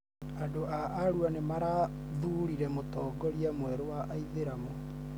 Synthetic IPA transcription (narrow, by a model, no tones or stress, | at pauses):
adoʔaʔaɾuanemaɾa | ðuɾiɾɛmotɔːɡɔɾiamwɛɾowaʔaiðeɾamo